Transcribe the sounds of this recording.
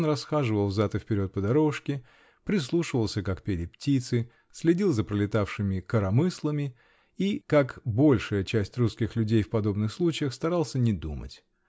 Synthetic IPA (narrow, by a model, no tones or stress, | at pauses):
nrɐsxaʐɨvəlˠvzat̪əfpʲɪɾʲo̞t̪̚pəd̪ɐɾo̞ʂkʲɪ | pɾʲɪs̬lˠuʂɨvəlˠsʲəkakpʲelʲɪptʲit̪sɨ | sʲlʲɪdʲilˠzəpɾəlʲɪt̪afʂɨmʲɪkəɾɐmɨslˠəmʲɪ | ikakbo̞lʲʂəjət͡ɕæsʲtʲruskʲɪxlʲʉdʲejfpɐd̪o̞bnɨxslˠut͡ɕɪjəxst̪ɐɾalˠsʲənʲɪd̪ṵmə̰tʲ